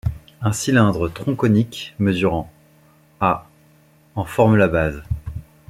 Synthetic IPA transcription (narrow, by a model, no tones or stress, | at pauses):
ɛ̃silɛ̃d̪ʁət̪χɔ̃kɔnikməzyʁɑ̃ | a | ɑ̃fɔʁməlabaz